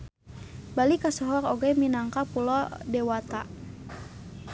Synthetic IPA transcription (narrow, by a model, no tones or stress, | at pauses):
balikasɔɦɔrɔɡɛminaŋkapulɔdɛwat̪a